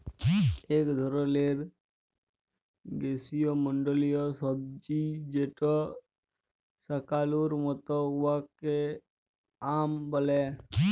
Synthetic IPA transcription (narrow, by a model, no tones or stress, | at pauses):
eːkd̪ʱoɾoleːɾ | ɡeːsijoməɳɖəlijosəb̚d͡ʒid͡ʒeʈo | səkaːluɾmət̪ɔʋake | aːmbəle